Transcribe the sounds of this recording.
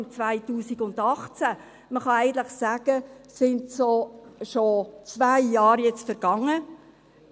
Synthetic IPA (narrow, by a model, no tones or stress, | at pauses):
nt͡svæɪtuːsiɡʊndɑχt͡sæ | məχɑæɪɡən̩t̪lɪχsæːɡ̥əsɪndsoʃot͡sʋæjːɑːɾjɛt͡stfɛɾɡ̥ɑŋə